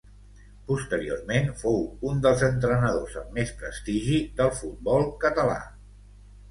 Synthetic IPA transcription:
pust̪əɾio̰rmenfowund̪əlˠzənt̪ɾənəðozəmːespɾə̰st̪iʒiðəlˠfut̪̚bɔlˠkət̪əla̰

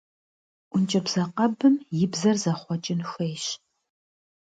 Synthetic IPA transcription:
ʔʷʊnt͡ʃʼɐbz̥ɐqɐbɨmjɪbzɐrzɐχʷɔt͡ʃʼɪnxeːɕ

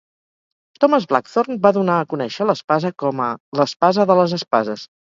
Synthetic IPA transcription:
t̪ɔməzβla̰kθornbaðunaəkunɛʃələspazəkɔmələspazəðələzəspazəs

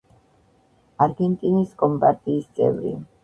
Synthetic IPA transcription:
aɾɡɛnt̪ʼiniskʼɔmpaɾt̪ʼiːst̪sʼɛ̰vɾḭ

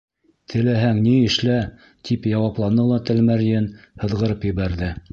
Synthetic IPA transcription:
t̪ʰɘ̆læɦæŋniɘ̆ʃlæ | t̪ʰipjɑwɑplˠɑnːɤlˠɑt̪ɘ̆lmæɾjɘnhɤ̆ðʁɤ̆ɾɤpjɘ̆βæɾðɘ

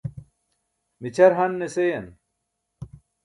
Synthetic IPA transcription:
mit͡ɕʰɐɾɦɐnːesejɐn

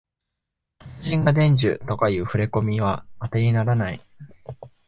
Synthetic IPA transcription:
ʑĩŋɡad̪ẽ̞ɲ̟d͡ʑɨ̰t̪o̞kajɯ̟ːɸɯ̟ɾe̞ko̞mʲiβaːt̪e̞ɲʲinaɾanai

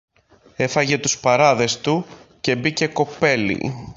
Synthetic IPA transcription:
e̞fɐʝe̞t̪uspɐɾɐðe̞st̪uce̞bice̞ko̞pe̞lḭ

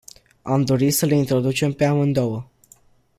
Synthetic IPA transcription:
amd̪o̞ɾisəleint̪ɾo̞d̪ut͡ʃe̞mpe̞amɨnd̪o̞wə

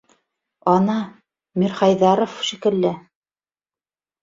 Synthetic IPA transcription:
ɑnɑ | miɾχɑjðɑɾofʃikɘ̆lːɘ

